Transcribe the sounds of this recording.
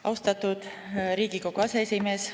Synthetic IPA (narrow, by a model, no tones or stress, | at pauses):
ɑ̰wst̪ɑt̪ud̪̥ | ɾiːɡiko̞ɡ̥ɑseesʲime̞ːs